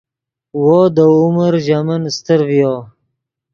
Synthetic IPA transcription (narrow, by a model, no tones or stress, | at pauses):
wod̪əʊməɾʒamənst̪əɾvjoː